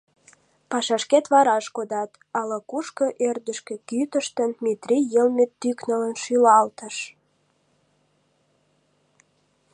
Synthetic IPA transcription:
pɑʃɑʃket̪βɑɾɑʃkod̪ɑt̪ | ɑləkuʃkəʔørd̪əʃkĕkyt̪əʃt̪ənmit̪rijəlmet̪ːyknələnʃylɑlt̪əʃ

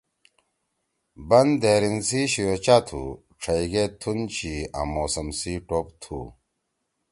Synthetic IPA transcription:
bɐnd̪eːɾinsiɕijot͡ɕat̪ʰṵ | ʈ͡ʂʰɐjɡet̪ʰunt͡ɕʰia̰moːsɐmsiʈopt̪ʰṵ

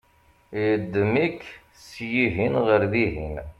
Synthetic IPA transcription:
jəd̪ːəmik | sjiɦinʁəɾðiɦin

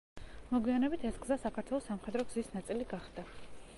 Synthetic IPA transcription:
mɔɡwijanɛbit̪ʰɛsɡzasakʰat̪ʰwɛlˠɔsamχɛd̪ɾɔɡzisnat̪sʼiliɡaχd̪̥a

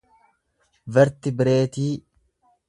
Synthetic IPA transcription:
vɛɾt̪ɪbɪɾe̞ːt̪iː

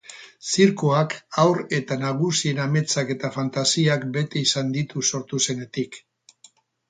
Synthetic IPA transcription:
siɾkoakawɾe̞t̪anaɣ̞usie̞name̞t͡sake̞t̪afant̪asiakbe̞t̪e̞isand̪it̪uso̞ɾt̪use̞ne̞t̪ik

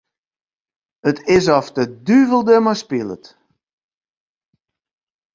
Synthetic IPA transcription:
ətʰɪsɔftədyvəlˠdəmaspilˠə̰t

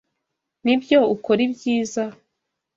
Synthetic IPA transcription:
nibjo̞ukoɾibjiːza

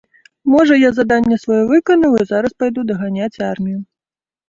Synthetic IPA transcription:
mɔʐɐjazad̪anʲːɛsvajɔvɨkɐnɐwizaɾɐspajd̪ud̪ɐɣanʲat͡sʲarmʲiju

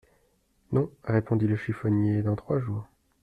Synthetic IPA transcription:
nɔ̃ʁepɔ̃d̪iləʃifɔnjed̪ɑ̃t̪χwaʒuːʁ

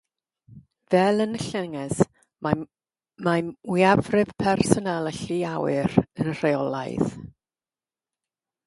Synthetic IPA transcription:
vɛlˠənɬɛŋɛs | ma | mawiavrɪv̥pʰɛrsɔnalˠɛɬiawɨrənr̥ejɔlˠa̰jð

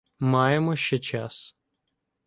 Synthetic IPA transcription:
mɑjemɔʃt͡ʃɛt͡ʃas

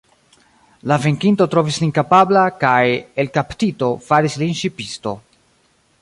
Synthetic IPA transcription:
laveŋkinto̞tɾo̞vislinkapablakaje̞lkaptito̞faɾislinʃipisto̞̰

